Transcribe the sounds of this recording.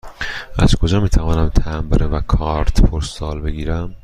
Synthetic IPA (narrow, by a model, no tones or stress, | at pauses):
æz̥kʰo̞d͡ʒɒːmiːt̪ʰævɒːnæmt̪ʰæmbeɾevækʰɒɾt̪ʰpʰoɾsɒːlbe̞ɡiːɾæm